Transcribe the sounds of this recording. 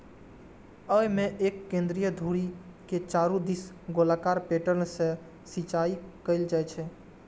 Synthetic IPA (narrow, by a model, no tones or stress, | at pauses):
əmẽʔeːkːẽːnd̪ɾijəd̪ʱuɾiket͡ʃaːɾũd̪is | ɡolaːkaːɾpeːʈəɾnsẽ | sit͡ʃaːikəɪld͡ʒaɛt͡ʃʰɛ